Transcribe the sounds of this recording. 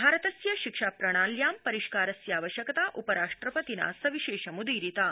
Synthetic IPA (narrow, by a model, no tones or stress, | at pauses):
bʱaːɾət̪ɐsjɐʃikʂaːpɾɐɽ̃aːljaːmpɐɾiʃkaːɾɐsjaːʋəʃjɐkt̪aːʔupɐɾaːʂʈɾɐpət̪ina̰sɐʋiʃeːʃɐmud̪iːɾit̪aː